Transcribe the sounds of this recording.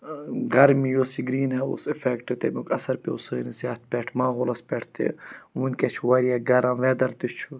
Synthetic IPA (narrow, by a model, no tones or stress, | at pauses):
ɡɐɾmijoːsiɡɾiːnɦɛṵsifekʈet̪emukɐsɐɾpeusəːnizaːt̪̚ʰpʲɛːʈʰmaːɦoːlɐspʲɛʈʰt̪ḛʋunket͡ʃʰuwɐɾiaɡɐɾãːʋɛːd̪ɐɾt̪it͡ʃʰu